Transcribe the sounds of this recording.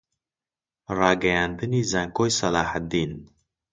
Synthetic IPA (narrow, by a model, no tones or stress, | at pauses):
ɾɑːɡajand̪ɨnizaŋkojsɐlɑːhat̪̚d̪iːn